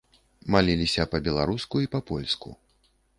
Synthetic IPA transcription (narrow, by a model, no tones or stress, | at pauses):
malʲilʲisʲɐpɐbʲɛlˠaɾuskuipɐpɔlʲskṵ